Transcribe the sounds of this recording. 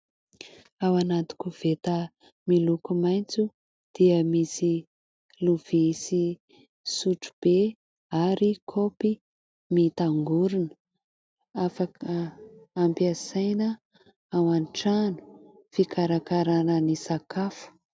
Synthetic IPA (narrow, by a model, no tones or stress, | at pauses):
awanat̪i̥kuv̥et̪ə | milukumajnt͡su | d̪̥iəmisi | luv̥isi | suʈ͡ʂu̥b̥e | aɾikʰopi | mit̪aŋɡuɾinə̥ | afakəː | mpiasajnə | awanʈ͡ʂanu̥ | fikaɾakaɾanənisakafu̥